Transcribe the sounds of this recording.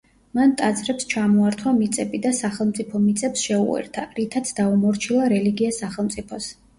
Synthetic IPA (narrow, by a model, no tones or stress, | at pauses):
mant̪ʼad̪sʼɾɛpst͡ʃʰamɔaɾt̪ʰwamit̪sʼɛbid̪asaχɛlˠmt̪sʼipʰɔmit̪sʼɛpsʃɛṵɛ̰ɾt̪ʰaɾit̪ʰat̪sʰd̪aumɔɾt͡ʃʰilˠaɾɛliɡiasaχɛlˠmt̪sʼipʰɔs